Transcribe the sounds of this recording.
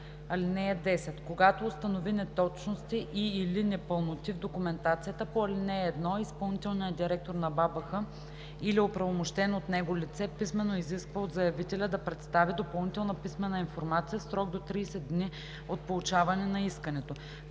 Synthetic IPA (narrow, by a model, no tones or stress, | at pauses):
ɐlinɛəd̪ɛsɛt̪koɡat̪oːst̪ɐnovinɛt̪ɔt͡ʃnost̪iʔiːlinɛpəlˠnot̪ivd̪okʊmɛnt̪at̪sijət̪əpoɐlinɛːd̪nɔispɐlˠnit̪ɛlˠnijəd̪iɾɛk̚t̪oɾnɐbabɐxə | iliopɾɐvomoʃt̪ɛnot̪nɛɡolit̪sɛpismɛnːoiziskvəod̪zɐjɐvit̪ɛlʲəd̪ɐpɾɛt̪st̪avid̪opɐlˠnit̪ɛlˠnəpismɛnːəinfoɾmat̪sijəfsɾɔɡ̚d̪ot̪ɾiːsɛd̪d̪ːni | ot̪̚polˠut͡ʃavɐnɛnɐiskənɛt̪o